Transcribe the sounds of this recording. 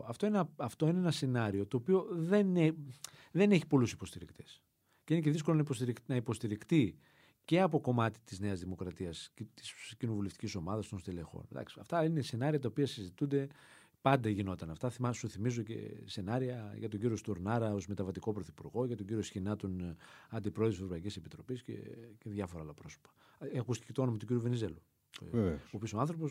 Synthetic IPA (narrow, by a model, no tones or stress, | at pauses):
ɐft̪o̞ineɐft̪o̞ineenɐse̞nɐɾio̞t̪o̞ːpio̞ðe̞neðe̞ne̞çi̥po̞lusi̥po̞st̪iɾikt̪e̞s | ceinec̬e̞ðisko̞lonɐipost̪iɾinɐipo̞st̪iɾikt̪i | ce̞ɐpo̞ko̞mɐt̪i̥t̪izneɐzðimo̞kɾɐt̪iɐst̪i̥scino̞vule̞ft̪i̥cʲiso̞mɐðɐst̪onst̪ele̞xo̞̰nd̪ɐ̰ksiɐ̰ft̪ɐine̞se̞nɐɾiɐt̪̬ɐopiɐsizit̪und̪e̞ | pɐnd̪ɐʝino̞t̪ɐnɐft̪ɐθimɐsuθimizocḛse̞nɐɾiɐʝɐt̪oɲɟiɾio̞st̪uɾnɐɾɐo̞zme̞t̪ɐvɐt̪iko̞pɾoθipuɾɣo̞ʝɐt̪o̞ɲɟiɾiosçinɐt̪onɐnd̪ipɾo̞ðosevɾo̞pɐicise̞pit̪ɾo̞piscḛceðʝɐfo̞ɾɐlɐpɾo̞so̥pɐ̥ | kust̪i̥cet̪oo̞nomɐt̪uɡʲɟiɾjuvenize̞lu | oːpio̞soanθɾo̞po̞s